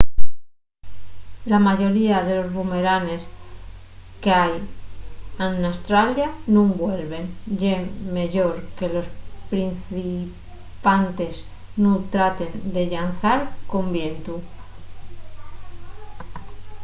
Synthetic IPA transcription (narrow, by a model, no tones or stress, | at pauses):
lamaʝo̞ɾiaðe̞lo̞zβume̞ɾane̞s | keaj | anast̪ɾaljanũŋbwe̞lβe̞nʝeme̞ʎo̞ɾke̞lo̞spɾin̟θi | pant̪e̞z | nut̪ɾat̪e̞nd̪e̞ʎanθaɾko̞mbjent̪u